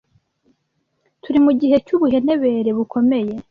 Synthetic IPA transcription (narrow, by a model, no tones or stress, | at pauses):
tuɾimuɟihe̞cuβuɦe̞ne̞βe̞ɾe̞βukʰo̞me̞je̞